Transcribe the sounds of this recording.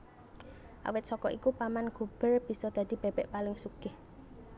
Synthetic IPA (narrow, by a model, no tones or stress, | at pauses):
ʔa̰wɪt̪̚sɔkɔʔikupamanɡ̥o̤b̥ərb̥i̤sɔd̪̥a̤d̪̥i̤b̥e̤b̥ɛʔpalɪŋsukeh